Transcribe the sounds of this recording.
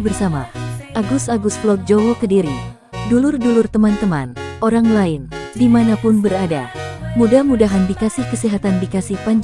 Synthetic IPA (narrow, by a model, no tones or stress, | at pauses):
bərsamaʔaɡusaɡusklɔk̪̚d͡ʒowokədiɾi | dulʊrdulʊrt̪əmant̪əma̰nʔoɾaŋlaɪndimanapʊnbəɾada̰mudahmudaɦanbikasɪhkəsiɦat̪andikasɪhpaɲd͡ʒ